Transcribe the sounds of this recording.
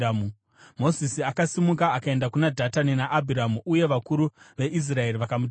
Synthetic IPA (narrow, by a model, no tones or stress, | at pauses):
mu | mo̞zisiakasimukaːkae̞ndakunadʱataninaʔabʱiɾamuʔuje̞ʋakuɾuʋe̞ʔis̬rae̞ɾiʋakamu